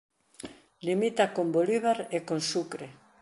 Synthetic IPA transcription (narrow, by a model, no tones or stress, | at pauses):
limit̪akomboliβaɾekonsukɾe